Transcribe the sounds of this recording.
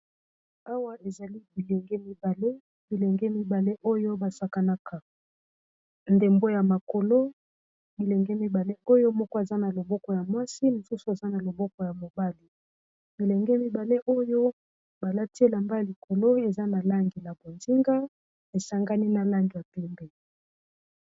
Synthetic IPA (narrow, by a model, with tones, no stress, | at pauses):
a˦wa˦ʔe˨za˨li˦bi˨lɛ˨ŋɡɛ˦mi˦ba˨le˦ | bi˨le˨ŋɡɛ˦mi˦ba˨le˦ʔo˦jo˦ba˨sa˦ka˦na˦ka˨ | nde˨mbo˦ja˨ma˨ko˨lo˦ | bi˨le˨ŋɡɛ˦mi˦ba˨le˦ʔo˦jo˦mɔ˦kɔ˦e˨za˦na˨lo˨bɔ˦kɔ˨ja˨mwa˦si˦mo˨su˦su˨e˨za˦na˨lo˨bɔ˦kɔ˨ja˨mo˨ba˦li˨ | bi˨lɛ˨ŋɡɛ˦mi˦ba˨le˦ʔo˦jo˦ | ba˨la˦ti˦e˦la˨mba˦ja˨li˨kʰo˨lo˦e˨za˦na˨la˦ŋɡi˨la˨bo˨nzi˦ŋɡa˦ | e˨sa˦ŋɡa˦ni˦na˨la˦ŋɡi˨ja˨pɛ˦mbɛ˨